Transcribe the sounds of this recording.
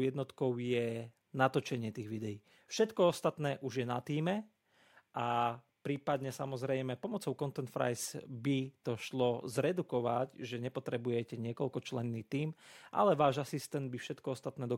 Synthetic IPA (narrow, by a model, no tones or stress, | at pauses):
jɛd̪nɔt̪kɔʊjɛ | nat̪ɔt͡ʃɛɲɪɛt̪iːɣʋid̪ɛjiː | fʃɛt̪kɔɔst̪at̪nɛːʔuʒjɛnat̪iːmɛ | ʔa | pɾiːpad̪ɲɛsamɔzɾɛjmɛpɔmɔt͡sɔʊkɔnt̪ɛnt̪fɾa̰jsbit̪ɔʃlɔzɾɛd̪ukɔʋacʒɛɲɛpɔt̪ɾɛbujɛcɛɲɪɛkɔlkɔt͡ʃlɛnːiːt̪iːmʔa̰lɛʋaːʒasist̪ɛnd̪̚bifʃɛt̪kɔɔst̪at̪nɛːd̪ɔ